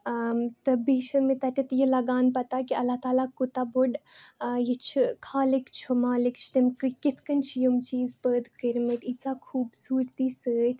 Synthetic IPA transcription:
mt̪ɐbiːʃɐmet̪ɐʈ̪ʲit̪jilɐɡaːnpɐt̪akiɐlːat̪aːlakut̪aboɖjit͡ʃʰikʰaːlikt͡ʃʰomaːlikt͡ʃʰt̪ɐmkɨkit̪ʰkɐnt͡ʃʰijumt͡ʃiːzpəːd̪kəɾmiɐt̪it͡sakʰuːbsuːɾt̪iːsəːt̪ʰ

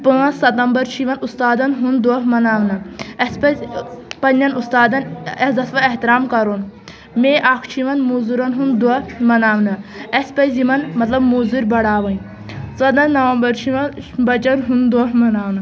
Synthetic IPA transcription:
pɨːɐ̃sɐt̪ɐmbɐɾt͡ʃʰiʋɐnust̪aːd̪ɐnɦund̪oɦmɐnaːʋnɐɐspɐzpɐnːɐnust̪aːd̪ɐnɐzɐt̪ʰʋɐeht̪iɾaːmkɐɾon | meːʔakʰt͡ʃʰiʋɐnmuːzuɾɐnɦund̪omɐnaːʋnɐɐspɐjzimɐnmɐt̪lɐbmuːzuɾʲbɐɽaːʋɐn | sɐd̪ɐnnːɐʋɐmbɐɾt͡ʃʰiʋɐnbɐt͡ʃɐɾɦund̪oːɦmɐnaːʋnɐ

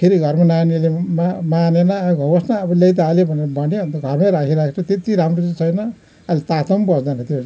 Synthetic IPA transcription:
kʰeɾiɡʱʌrmananilemamanenʌɡʱʌbʌsnaːbʌlʌjt̪̬aalebʱʌneɾʌbʱʌneʌnt̪ʌɡʱʌrmaɾakʰiɾakʰet͡sʰʌt̪et̪iɾamrot͡set͡sʰʌjnʌ | alt̪at̪ʌmbʌsd̪anʌt̪o

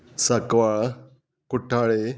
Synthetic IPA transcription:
sakʋaɭ | kuʈʰaɭe

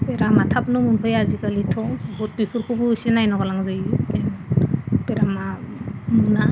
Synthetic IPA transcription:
peɾamatʰap̚numunpʰɯjaziɡalitʰɔbɔt̚bikʰɯɾkʰubusinajnɔɡalaŋzɯjstenpeɾamamuna

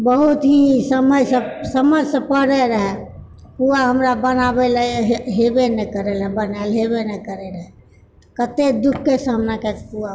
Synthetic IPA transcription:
bəɦut̪ɦisəməjsə̃səməjsə̃pəɽɛɾəɦɛ | puaɦəmɾabənabelɛɦɦebenɛkəɾɛlɦɛ̃bənalɦebenɛkəɾɛɾəɦɛ | t̪ɔkət̪ed̪ukʰːesəɦəmnakepua

